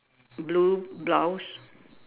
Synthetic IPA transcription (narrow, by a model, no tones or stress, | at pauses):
blublɔws